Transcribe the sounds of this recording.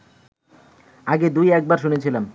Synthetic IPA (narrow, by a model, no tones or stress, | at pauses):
aɡed̪ujɛk̚baɾʃunet͡ɕʰilam